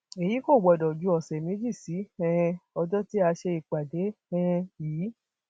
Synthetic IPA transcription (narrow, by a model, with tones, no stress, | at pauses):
e˨ji˨˦ko˦˨ɡ͡bɔ˨dɔ˨d͡ʒu˨˦ɔ˨sɛ˨me˨˦d͡ʒi˦˨si˨˦ɛ̃˧ɔ˧d͡ʒɔ˦ti˦a˧ʃe˧i˨k͡pa˨de˨˦ɛ̃˧jiː˨˦